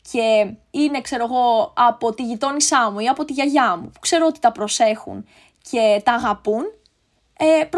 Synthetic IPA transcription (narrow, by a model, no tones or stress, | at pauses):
ce̞ine̞kse̞ɾo̞eɣo̞ɐpo̞t̪iʝit̪o̞nisɐmuiɐpo̞t̪iʝɐʝɐmupu̥kse̞ɾoot̪i̥t̪ɐpɾo̞se̞xṵn | cʰe̞t̪ɐːɣɐpun | epɾ